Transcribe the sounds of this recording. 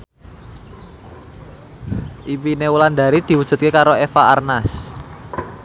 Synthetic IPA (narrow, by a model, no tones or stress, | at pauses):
ʔipineulanda̤ɾid̪̥i̤wud̥ʒ̥ṳt̪̚kekaɾoefaarnas